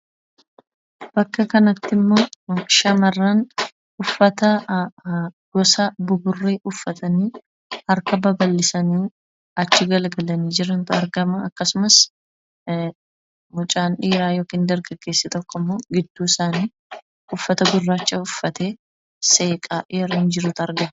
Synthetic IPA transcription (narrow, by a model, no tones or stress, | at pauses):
b̥ɐkːɐkɐnɐt̪ːɪmːo̞ːʃɐmɐrːaːn | ʊfːɐt̪ɐ | ɡ̥ɔsɐbʊɡʊrːe̞ːʔʊfːɐt̪ɐniː | hɐɾkɐbɐbɐlːɪsɐniː | ɐt͡ʃːɪɡɐlɡɐlɐniːd͡ʒɪɾɐnt̪ɐɾɡɐmɐɐkːɐsʊmɐs | mʊt͡ʃʼaːnᶑiːɾaːjoːkiːnd̪ɐɾɡɐɡːe̞ːsːɪt̪ɔkːɔmːo̞ːɡɪd̪ːuːɪsaːniː | ʊfːɐt̪ɐɡʊrːaːt͡ʃːɐʊfːɐt̪eː | se̞ːkʼaːʔɛɾoɪnd͡ʒɪɾuːt̪ɐɾɡɐm